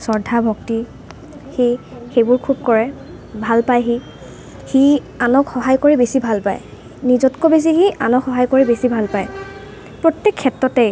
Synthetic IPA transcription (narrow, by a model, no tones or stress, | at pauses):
sɔɹdʱabʱɔkti | xixejbʊɹkʰub̚kɔɹɛ | bʱalpajɦi | hi | anɔkxɔɦajkɔɹibesibʱalpa̰j | nizɔtkobes̬ixiʔanɔkxɔɦajkoɹibesibʱalpaj | pɹɔtːɛkʰːɛtɹɔtɛj